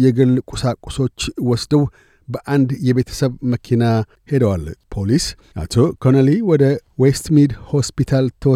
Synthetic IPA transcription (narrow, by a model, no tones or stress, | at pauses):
jɛɡɨlːkʷʼusakʼʊ̥so̞t͡ʃːwɔsd̪əw | bəʔand̪jɛβe̞t̪ʰə̥səβməkʰina | hed̪əwalpʰo̞lis | ʔa̰t̪ʰokʰonəliwɔd̪əwest̪mid̪ho̞spit̪ʰalt̪ʰəwɔ